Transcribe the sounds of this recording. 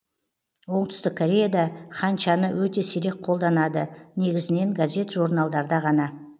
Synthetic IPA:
wo̞ɴt̪ʏ̥st̪ɪkʰːoɾʲe̞jad̪ɑχɑnʃɑnəwɵt̪e̞seɾe̞k̚qʰolˠd̪ɑnɑd̪əne̞ɡʲɪzɪne̞ŋɡazʲe̞t̪ʒuɾnɑlˠd̪ɑɾd̪ɑʁɑnɑ

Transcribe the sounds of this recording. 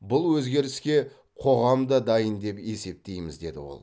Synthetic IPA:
bʊlˠwɵzɡʲe̞ɾɪskʲe̞ | qʰo̞ʁɑmd̪ɑd̪ɑjənd̪e̞pe̞se̞p̚t̪e̞jmɪzd̪e̞d̪ɪ̰wo̰lˠ

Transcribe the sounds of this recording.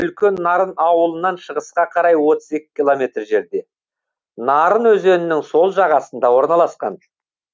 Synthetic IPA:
ʏlkʲe̞nːɑɾənɑwəlˠənɑnʃəʁəsqɑqʰɑɾɑjwo̞t̪əze̞kʲːɪ̥kʲilˠo̞mʲe̞t̪rʒe̞ɾd̪e̞ | nɑɾənwɵze̞nɪnɪŋso̞lˠʒɑʁɑsənd̪ɑwo̞ɾnɑlˠɑsqɑ̰n

